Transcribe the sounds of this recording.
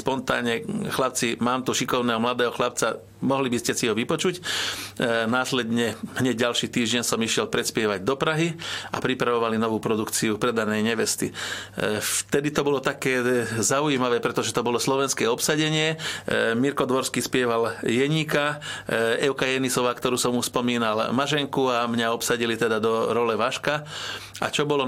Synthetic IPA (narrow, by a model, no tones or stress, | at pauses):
spɔnt̪a̰ːɲɛxlap̚t͡simaːmt̪uʃikɔʊnɛːɦɔmlad̪ɛːɦɔxlapt͡sa | mɔɦlibiscɛsiɦɔʋipɔt͡ʃuc | naːslɛd̪ɲɛɦɲɛɟɟalʃiːt̪iːʒɟɛɲsɔmiʃɪɛlpɾɛt̪spɪɛʋaɟd̪ɔpɾaɦia̰pɾipɾaʋɔʋalinɔʋuːpɾɔd̪ukt͡siupɾɛd̪anɛjɲɛʋɛst̪i | ft̪ɛd̪it̪ɔbɔlɔt̪akɛːzaujimaʋɛːpɾɛt̪ɔʒɛt̪ɔbɔlɔslɔʋɛnskɛːɔpsaɟɛɲɪɛmiɾkɔd̪ʋɔɾskiːspɪɛʋaljɛɲiːka | ɛʊkajɛnisɔʋaːkt̪ɔɾuːsɔmuspɔmiːnalmaʒɛŋkuamɲaɔpsaɟilit̪ɛd̪ad̪ɔɾɔlɛʋaʃkaa̰t͡ʃɔbɔlɔ